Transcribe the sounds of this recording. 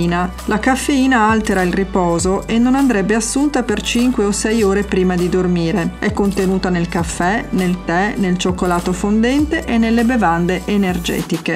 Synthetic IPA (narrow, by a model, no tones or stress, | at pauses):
na | lakafːeiːnaalt̪eɾailripɔːzoʔenːonand̪ɾɛbːeasːunt̪apert͡ʃiŋkweosɛjoːɾepɾiːmad̪id̪ormiːɾeɛkːont̪enuːt̪anelkafːɛnelt̪ɛnelt͡ʃokːolaːt̪ofond̪ɛnt̪eʔenːelːebevand̪eʔenerd͡ʒɛ̰ːt̪ike